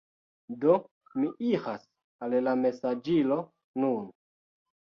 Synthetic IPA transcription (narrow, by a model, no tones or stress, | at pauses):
do | miʔihas | allame̞sad͡ʒilo̞ | nun